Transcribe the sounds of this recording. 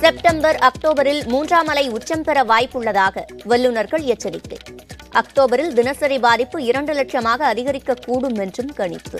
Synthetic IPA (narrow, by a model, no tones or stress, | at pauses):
sɛp̚ʈɐmbɐɾɐk̚ʈoːbɐɾɪlmuːndraːmɐlɐɪʊt͡ʃːɐmpɛɾɐʋaːjpːɯɭːɐðaːɣɐʋɛlːɯnɐɾɣɐɭɪjɐt͡ʃːɐɾɪ̰t̪ːɐ̰ɪʔɐk̚ʈoːbɐɾɪld̪ɪnɐsɐɾɪbaːðɪpːɯɪɾɐɳɖɯlɐʈʂɐmaːɣɐːðɪɣɐɾɪkːɐkːuːɽɯmɛndrɯmkɐɳɪ̰pːɯ̰